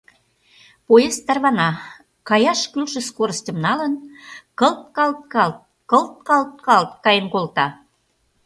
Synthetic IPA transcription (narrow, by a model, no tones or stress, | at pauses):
pojest̪ɑrβɑnɑ | kɑjɑʃkylʃə̆skoɾəstʲə̆mnɑlənkɤlt̪̚kɑlt̪̚kɑlt̪̚ | kɤlt̪̚kɑlt̪̚kɑlt̪kɑjenkolt̪ɑ